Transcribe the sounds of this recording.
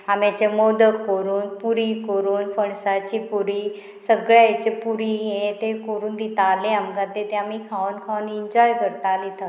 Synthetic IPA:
amjat͡ɕemod̪əːəɾuːnpuɾikəɾuːnfəɳsat͡ɕipuɾiː | səɡɭjajt͡ɕepuɾiɦẽt̪ekəɾuːnd̪it̪aleamɡad̪et̪eamikʰaunkʰawniɲd͡ʑɔjkəɾt̪alit̪ʰa

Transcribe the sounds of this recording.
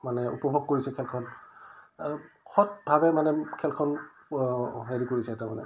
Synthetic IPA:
manɛṵpɔbʱoɡ̚koɹisɛkʰɛlkʰɔn | xɔt̚bʱabɛmanɛkʰɛlkʰɔn | ɦeɹikoɹisɛtɛmanɛ̰

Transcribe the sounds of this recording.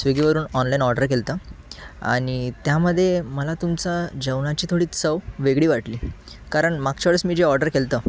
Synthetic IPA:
sʋeɡiʋəɾuːnɔnlainɔɾɖəɾkelt̪ə | a̰ɽ̃it̪jaməd̪ʱːjeməlat̪umt͡sad͡ʑəwnat͡ɕiːt̪ʰoɽiːt͡səwʋeɡɽiːʋaʈliː | kaɾəɳmaɡ̚t͡ɕaɭəsmiːd͡ʑeɔɾɖəɾkelt̪ə

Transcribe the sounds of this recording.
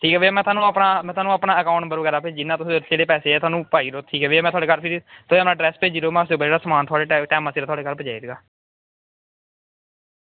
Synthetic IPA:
ʈʰiːkɛːʋeːmɛ̃ːt̪ʰaːnũːaːpnaːmɛ̃ːt̪ʰoaːnũːaːpnaːəkaːʊ̃ɳʈbəɾʋəɡɛːɾaːped͡ʒɪnːãːt̪ʊsed͡ʒeːɽeːpɛːseːɛːt̪ʰʊaːnũːpaːiːɾoːt̪ʰiːkɛːʋeːmɛ̃ːt̪ʊwaːɽeːkəɾpʰiɾt̪ʰʊeːpnãːɖɾɛːsped͡ʒiɾoːmɛ̃ːʊs̬eːoːbad͡ʒeːɽaːsəmaːnt̪ʰʊaːɽeːʈɛːməːseːɾaːt̪ʊaːɽeːkəɾpəd͡ʒaːiɾeɡaː

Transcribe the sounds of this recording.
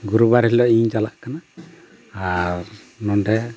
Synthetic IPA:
ɡuɾubaɾɦilɔiɲd͡ʒalaʔkanaː | ɾ | nɔnɖɛ

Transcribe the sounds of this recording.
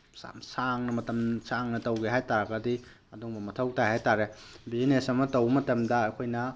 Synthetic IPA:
sa̰msaŋnɐmɐtɐmsaŋnɐtɐwɡeɦajtaɾɐɡɐdi | ɐduŋbɐmɐtʰɐwtahajtaɾebizinesɐmɐtɐwmɐtɐmdɐɐkʰojnɐ

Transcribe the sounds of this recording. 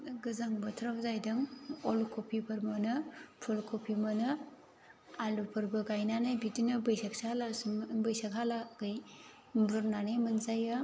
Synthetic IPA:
ɡɯzaŋbɐtʰɾapzajdɯŋɔlkʰopʰipʰɐɾmɐnɯpʰulkʰopʰimɐnɯ | alupʰɐɾbɐɡajnanajbidinɐbɐjsak̚salasbɐjsakɦalaɡɯj | buɾnanemɯnzaja

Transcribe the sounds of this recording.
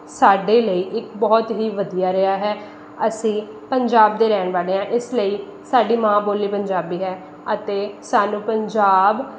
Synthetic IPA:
saːɖeːləiːʔɪkbɔːt̪ɦiːʋəd̪ijaːɾɪaːɦɛː | əsĩː | pəɲd͡ʒaːb̚d̪eːɾɛːɳʋaːleːãːʔɪsləiː | saːɖiːmãːboːliːpəɲd͡ʒaːbiːɦɛː | ət̪eːsaːnũːpəɲd͡ʒaːb

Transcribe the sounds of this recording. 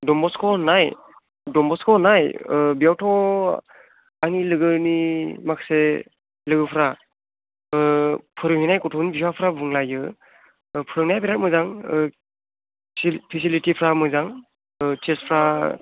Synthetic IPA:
dɔmbɔskʰɔnaj | dɔmbɔskʰɔnajbijawtʰɔ | anilɯɡɯnimakse | lɯɡɯpʰɾa | pʰɯɾɯŋhinajkɔtʰɔnibiswapʰɾabuŋlajɯ | pʰɯɾɯŋnajpiɾat̚mɯzaŋ | pʰisilitipʰɾamɯzaŋ | tespʰɾa

